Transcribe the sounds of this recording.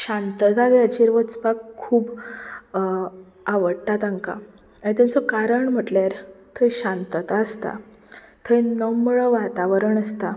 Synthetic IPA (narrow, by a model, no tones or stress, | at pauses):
ɕant̪əd͡zaɡeət͡ɕiɾʋət͡spakʰːuːb | aʋəɽʈat̪ãŋka̰ | it̪ant͡sɔkaɾəɳm̤əʈlaɾt̪ʰəjɕant̪ət̪aəst̪a̰ | t̪ʰəjnəmɭɔʋat̪aʋəɾəɳəst̪a